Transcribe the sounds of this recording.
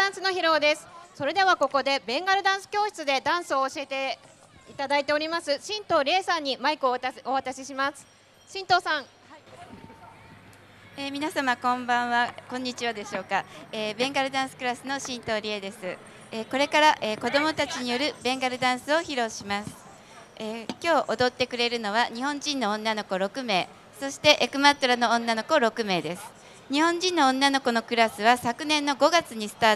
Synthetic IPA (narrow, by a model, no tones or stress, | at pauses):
ãɰ̃sɨno̞çiɾo̞ːd̪e̞sɨ̥so̞ɾe̞d̪e̞βako̞ko̞d̪e̞bẽ̞ŋɡaɾɯ̟d̪ãɰ̃sɨ̥kʲo̞ːɕi̥t͡sɨd̪e̞d̪ãɰ̃sɨo̞ːɕie̞t̪e̞ | it̪ad̪ait̪e̞o̞ɾʲimasɨɕĩnt̪o̞ːɾʲiesãɲ̟ːimaikɯo̞βat̪aɕiɕimasɨ̥ | ɕĩnt̪o̞ːsãŋ | eːmʲinasamakõ̞mbãβakõɲ̟ːit͡ɕiβad̪e̞ɕo̞ːkaeːbẽ̞ŋɡaɾɯ̟d̪ãɰ̃sɨ̥kɯ̟ɾasɨno̞ɕĩnt̪o̞ːɾʲied̪e̞sɨ | eːko̞ɾe̞kaɾaʔeːko̞d̪o̞mo̞t̪at͡ɕiɲ̟ijo̞ɾɯ̟bẽ̞ŋɡaɾɯ̟d̪ãɰ̃sɨo̞çiɾo̞ːɕimasɨ̥ | eːkʲo̞ːʔod̪o̞t̪ːe̞kɯ̟ɾe̞ɾɯ̟no̞βaɲ̟ihõ̞ɲ̟d͡ʑĩnːõ̞ːnːano̞ko̞ɾo̞kɯ̟me̞ː | so̞ɕi̥t̪e̞ʔekɯ̟mat̪oɾanõ̞ːnːano̞ko̞ɾo̞kɯ̟me̞ːd̪e̞sɨ̥ | ɲ̟ihõ̞ɲ̟d͡ʑĩnːõ̞ːnːano̞ko̞no̞kɯ̟ɾasɨβasakɯ̟nẽ̞nːo̞ɡo̞ɡat͡sɨɲ̟isɨ̥t̪aː